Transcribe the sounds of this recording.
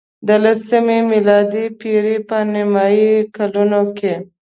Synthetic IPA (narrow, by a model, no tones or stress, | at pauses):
d̪əlasimemɪlɑd̪ipiɾipənɪmɑikalunoke